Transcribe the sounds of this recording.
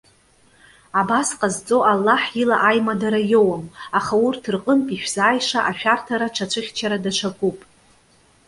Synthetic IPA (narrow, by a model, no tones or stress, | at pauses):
abasqʼazt͡sʼo̞ʔalːaħilaʔajmadaɾajowamaχaurtʰɨrqʼənpʼiʃᶣz̥aːjʂaʔaʃᶣartʰaɾaʈ͡ʂʰat͡ʃʷʰɨχʲt͡ʃʰaɾadaʂʷʰakʼupʼ